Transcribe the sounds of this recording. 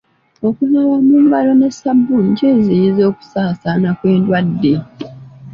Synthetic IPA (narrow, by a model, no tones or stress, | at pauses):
o̞kunawamuːmbalo̞nesabːuɲɟezejizo̞ːku̥saːsanakwe̞ːndwadːe̞